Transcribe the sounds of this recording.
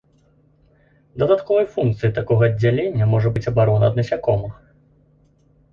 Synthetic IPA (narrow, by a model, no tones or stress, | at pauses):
d̪ɐd̪at̪kɔvɐjfunk̚t̪sɨjit̪akɔɣɐːdd͡zʲːalʲenʲːɐmɔʐɐbɨt͡sʲɐbaɾɔnɐːd̪nɐsʲakɔmɐ